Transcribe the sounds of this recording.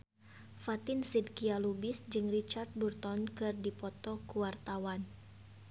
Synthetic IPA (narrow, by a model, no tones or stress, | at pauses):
fat̪ɪnsidkialubɪsd͡ʒɨŋrit͡ʃard̪̚burt̪ɔnkɨrdipɔt̪ɔkuwart̪awan